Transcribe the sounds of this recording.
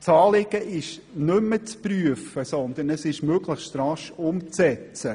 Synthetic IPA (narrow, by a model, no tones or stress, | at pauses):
t͡sɑːlɪɡ̥əʔɪʃnʏmːət͡spryəfəsɔnd̪ənəsɪʃmøɡləxt̪ɾɑʃʊmt͡sɛt͡sə